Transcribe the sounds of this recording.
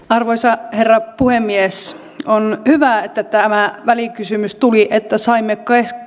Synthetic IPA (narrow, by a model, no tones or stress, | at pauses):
ɑrʋoisɑherːɑpuhemːies | onhyʋæet̪ːæt̪ːæmæʋælikysymyst̪uliʔet̪ːæsɑimːekkesk